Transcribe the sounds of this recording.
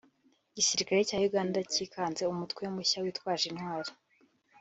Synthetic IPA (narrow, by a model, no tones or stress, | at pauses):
ɟisiɾikaɾecaːjuɡaːndaciːkaːnze̞umutkweomuçawiːtwaːʒinhwaːɾḁ